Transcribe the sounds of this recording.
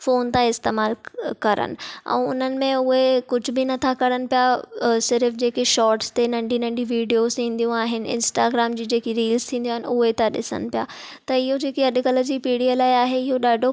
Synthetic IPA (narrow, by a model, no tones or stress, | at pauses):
foːnt̪ãɪst̪eːmaːlkɐɾə̰nɪ̆ɛ̰̃ːʊ̰n̤ənɪ̆mẽʊɦekʊd͡ʑʱʊ̆bɪnɐt̪ʰakɐɾənɪ̆pijasɪɾfd͡ʑeːkeʃɔːɾʈst̪enɐ̃ɳɖʱinɐ̃ɳɖĩʋiːɖijozt̪ʰĩːn̆d̪ijũaːɦɪnɪ̆ɪ̰̃nsʈaːɡɾaːmd͡ʑiːd͡ʑeːkiɾiːlz̥t̪ʰĩːn̆d̪ioaːɦɪnɪʊɦet̪ɐɗɪ̰sə̰nɪ̆pija̰ː | t̪ɐɪɦod͡ʑeːkiɐɗkələd͡ʑiːpiːɽijəlaːiaːɦeɪɦoɗaːɖʱo